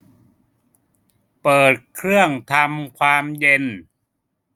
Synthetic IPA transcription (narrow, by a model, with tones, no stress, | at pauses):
pɤː˨˩t̪̚kʰɾɯ˥˩əŋt̪ʰa˧mkʰwaː˧mje˧n